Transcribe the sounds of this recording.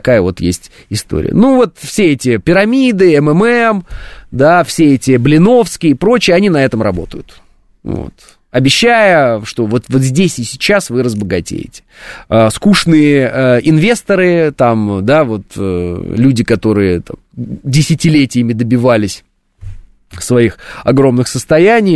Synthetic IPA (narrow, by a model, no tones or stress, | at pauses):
ɐkajəvo̞t̪jḛsʲtʲ | ɪst̪o̞̰ɾʲɪ̰ə̰nuvo̞t̪fsʲeɛtʲɪpʲɪɾɐmʲid̪ɨɛmɛmɛmd̪afsʲeɛtʲɪblʲɪno̞fskʲɪjɪpɾo̞t͡ɕɪjɐnʲinɐɛt̪əmɾɐbo̞̰t̪əjʊt̪ | vo̰t̪ | ɐbʲɪɕːajəʂt̪o̞vo̞t̪vo̞t̪zʲdʲesʲɪsʲɪ̥t͡ɕːasvɨɾəzbəɡɐtʲḛjɪ̰tʲɪ̥skuʂnɨjəəɪnvʲe̞st̪əɾɨt̪amd̪avo̞t̪lʲudʲɪkɐt̪o̞ɾɨjət̪amdʲɪsʲɪtʲɪlʲetʲɪjɪmʲɪd̪əbʲɪvalʲɪsʲ | svɐixɐɡɾo̞mnɨxsəst̪ɐjænʲɪj